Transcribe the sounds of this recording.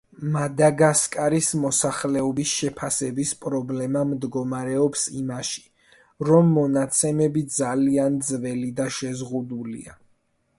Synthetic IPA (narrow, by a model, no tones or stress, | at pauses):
mad̪aɡaskʼaɾismɔsaχlɛɔbisʃɛpʰasɛbispʼɾɔblɛmamd̪ɡɔmaɾɛɔpsimaʃi̥ | ɾɔmːɔnat̪sʰɛmɛbid̪zaliand̪zvɛlid̪aʃɛzʁud̪ulḭa